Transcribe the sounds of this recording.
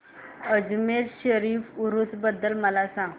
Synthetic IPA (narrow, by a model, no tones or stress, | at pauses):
əd͡zmeɾɕəɾiːfuɾut̪bəd̪ːəlməlasãɡ